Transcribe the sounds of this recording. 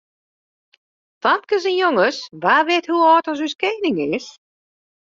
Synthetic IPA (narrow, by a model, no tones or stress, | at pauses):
tɑnkəs̬ənjoŋəsʋaːʋɪthuɔːtɔs̬yskeːnɪŋɪs